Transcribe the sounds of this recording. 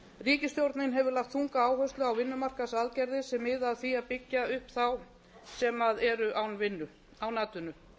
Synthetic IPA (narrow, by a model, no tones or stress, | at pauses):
riːcɪst̪jowɾt̪nɪnɦɛvʏɾlaxt̪θuŋkaaːwɦœst̪lʏawvɪnːʏmar̥kasaðcɛɾðɪsɛmɪðaðθiapɪcːaʏhpθaw | sɛmaðɛɾʏʔawnvɪnːʏ | awnaːt̪ʏnʏ